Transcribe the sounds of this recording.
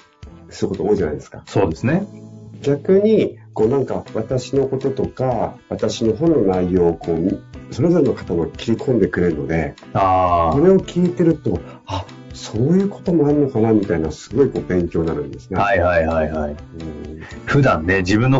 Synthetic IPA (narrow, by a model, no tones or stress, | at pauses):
sɨɾɯ̟ko̞t̪oːiʑana̰jd̪e̞sɨ̥ka̰so̞ːd̪e̞sɨneɡʲakɯ̟ɲ̟iko̞ːnãŋkaβat̪aɕino̞ko̞t̪o̞t̪o̞kaβat̪aɕino̞ɦõ̞nːo̞naijo̞ːkʰo̞ːmso̞ɾe̞zo̞ɾe̞no̞kḁt̪amo̞kʲi̥ɾʲikʰõ̞nd̪e̞kɯ̟ɾe̞ɾɯ̟no̞̰d̪e̞̰ | aːso̞ɾe̞okʲʰiːt̪e̞ɾɯ̟t̪o̞ | a | so̞ːjɯ̟ːko̞̥t̪o̞mo̞aɾɯ̟nokanamʲit̪ainasɨ̥ɡo̞iko̞ːbẽ̞ŋkʲo̞ːnaɾɯ̟̰̃nd̪e̞sɨ̥nehaihaihaihaiɯ̟̃ɸɯ̟d̪ãnːe̞d͡ʑibɯ̟̃nːo